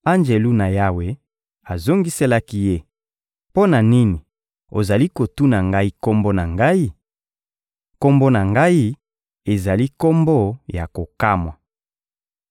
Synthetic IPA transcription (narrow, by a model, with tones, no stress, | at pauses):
a˦nd͡ʒe˨lu˦na˨ja˦we˦ | a˨zo˦ŋɡi˦se˦la˦ki˦je˦ | po˦na˨ni˦ni˨ | o˨za˨li˦ko˨tu˦na˨ŋɡa˦i˦ko˦mbo˦na˨ŋɡa˦i˦ | ko˦mbo˦na˨ŋɡa˦i˦ | e˨za˨li˦ko˦mbo˦ja˨ko˨ka˦mwa˨